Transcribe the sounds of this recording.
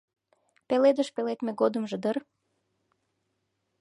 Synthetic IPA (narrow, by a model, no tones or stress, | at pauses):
peled̪əʃpelet̪meɡod̪ə̆mʒĕd̪ər